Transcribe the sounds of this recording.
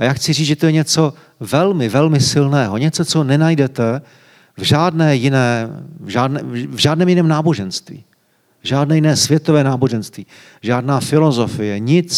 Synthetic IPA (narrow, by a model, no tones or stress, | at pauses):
ajaːxt͡sɪriːt͡sʒɛt̪ojɛɲɛt͡so̞ | vɛlmɪvɛlmɪsɪlnɛːɦo̞ɲɛt͡so̞t͡so̞nɛnajdɛt̪ɛ | vʒaːdnɛːjɪnɛːvʒaːdnɛvʒaːdnɛːmjɪnɛːmnaːbo̞ʒɛnst̪vḭː | vʒaːdnɛːjɪnɛːsvjɛt̪o̞vɛːnaːbo̞ʒɛnst̪viː | ʒaːdnaːfɪlo̞zo̞fɪjɛɲɪt͡s